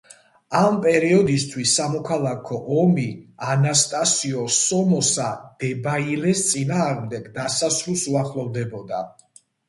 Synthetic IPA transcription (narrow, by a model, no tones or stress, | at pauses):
ampʼɛɾiɔd̪ist̪ʰwisːamɔkʰalˠakʰɔʔɔmianast̪ʼasiɔsɔmɔsad̪̥ɛbailɛst̪sʼinaːʁmd̪ɛɡd̪asasɾisuaχlˠɔvd̪ɛbɔd̪a